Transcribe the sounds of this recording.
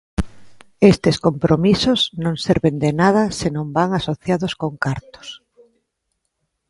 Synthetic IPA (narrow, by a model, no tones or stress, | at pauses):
est̪eskompɾʔomisoznõŋseɾβend̪enað̞ɐsenõmbaŋasoθjaðoskoŋkaɾt̪o̥s